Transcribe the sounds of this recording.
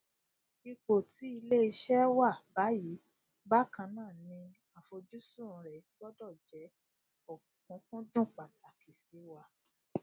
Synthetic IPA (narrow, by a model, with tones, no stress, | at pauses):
i˧k͡po˨ti˨˦i˧le˦i˧ʃɛ˦wa˦˨ba˨˦ji˨˦ | ba˦kã˧˦nãː˦˨nĩ˧ | a˨fo˧d͡ʒu˦su˦˨ɾũ˧ɾɛ˨ɡɔ˦dɔ˦˨d͡ʒɛ˨˦ | ɔ˨kũ˨˦kũ˦dũ˦˨k͡pa˨tʰa˨ki˨si˨˦wa˨